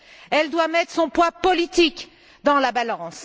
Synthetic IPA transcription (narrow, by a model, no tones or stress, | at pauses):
ɛld̪wamɛt̪χsɔ̃pwapɔlit̪ik | d̪ɑ̃labalɑ̃s